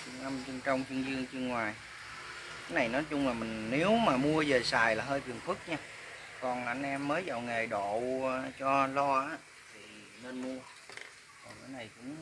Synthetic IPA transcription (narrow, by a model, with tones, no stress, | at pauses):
t͡ɕɨ˧əŋʔə˧mt͡ɕɨ˧ŋt͡ɕɔ˧wŋ͡mt͡ɕɨ˧əŋzɨ˧əŋt͡ɕɨ˧əŋːwaː˨˩j | kaː˨˦jna˨˩jnɔ˨˦jt͡ɕʊ˧ŋ͡mlaː˨˩mï˨˩ŋ̟ne˨˦wmaː˨˩mu˧əze˨˩saː˨˩jlaː˨˩ɦəː˧jt̪ʰɨ˨˩əŋfɨ˦˥k̚ɲaː˧ | kɔ˨˩naː˨ʔə˧nʔɛ˧mːəː˨˦jzə̰˧˨wŋe˨˩jɗo̰˧˨t͡ɕɔ˧lɔ˧ʔaː˨˦˥ | t̪ʰi˨˩ | ne˧nmu˧ə | kɔ˨˩nʔaː˨˦jna˨˩jkʊ̰˧˥ŋ͡m